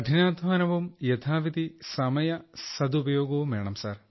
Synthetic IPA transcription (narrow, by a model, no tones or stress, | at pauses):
ɐʈʰinaːd̪ʱmaːnɐʋumjet̪ʰaːʋid̪isɐmɐjɐsɐd̪ubɐjo̞ːɡɐʋumeːɳɐmsa̰ːr